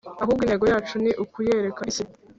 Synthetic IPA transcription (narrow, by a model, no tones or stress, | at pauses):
aɦuːbɡiːne̞ːɡo̞jaːt͡ʃuniʔukujeɾekaisi